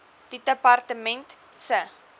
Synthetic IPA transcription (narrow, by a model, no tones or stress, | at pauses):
d̥idəpɐrtəmɛnt | sə